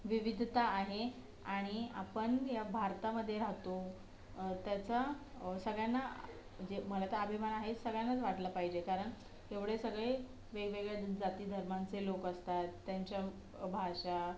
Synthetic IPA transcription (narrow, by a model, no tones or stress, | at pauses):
ʋiʋid̪ʱt̪aːɦe | aɽ̃ia̰pəɳjabʱaɾt̪aməd̪ʱːjeɾaɦt̪o | t̪jat͡sa | səɡɭjanːa | d͡ʑeməlat̪əabʱimanaɦesəɡɭjanːat͡sʋaʈlapaɦid͡ʑekaɾəɳ | ɦeʋɽesəɡɭe | ʋeɡʋeɡɭjad͡zat̪iːd̪ʱəɾmant͡selokəst̪at̪ːjaɲt͡ɕja | bʱaʂa